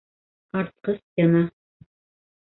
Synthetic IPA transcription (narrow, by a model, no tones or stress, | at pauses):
ɑɾt̪̚qɤsjɑnɑ